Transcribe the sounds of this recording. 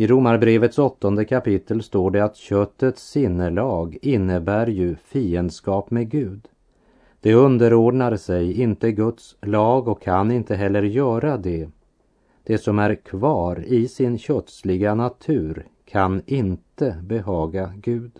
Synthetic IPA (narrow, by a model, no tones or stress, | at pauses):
ɪɾʊmːaɾbɾeːvət̪sɔt̪ːɔnd̪əkʰapɪt̪ʰːəlst̪oːɖɛat̪ɕœt̪ːət̪sːɪnːəlɑːɡɪnːəbæːɾjɵfiːənd̪skɑːpmɛɡʉ̟ːd̪ | d̪̥ɛɵnd̪əɾoːɖɳaɾsɛjɪnt̪əɡɵt̪slɑːɡɔkʰːanɪnt̪əɦɛlːəɾjœːɾad̪ɛ | d̪̥ɛsɔmæɾkʰvɑːɾɪsɪnɕœt̪slɪɡanat̪ʰʉ̟ːɾkʰanɪnt̪əbɛɦɑːɡaɡʉ̟ːd̪